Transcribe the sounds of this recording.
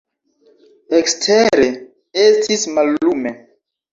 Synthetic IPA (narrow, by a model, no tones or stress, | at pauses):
ekstʰeɾe | estʰismalːume